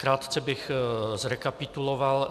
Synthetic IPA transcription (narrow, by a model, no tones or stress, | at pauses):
kɾaːt̪t͡sɛbɪxzɾɛkapɪt̪uloval